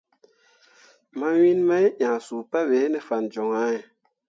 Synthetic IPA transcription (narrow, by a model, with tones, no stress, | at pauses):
ma˦wi˦nma˦jʔã˨su˨pa˦be˨˦nɛ˨fa˨nd͡ʒo˨ŋa˦e˨